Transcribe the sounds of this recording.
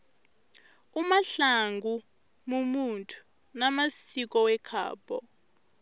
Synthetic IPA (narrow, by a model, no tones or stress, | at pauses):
umaɬaŋɡʱu | mumuntʰʼu̥ | namasik̬ʼɔwɛkʰa̰ːbɔ